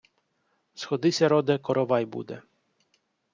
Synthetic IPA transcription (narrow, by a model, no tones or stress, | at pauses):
sxɔd̪ɪsʲɐɾɔd̪ɛkɔɾɔʋɑjbṵd̪ɛ̰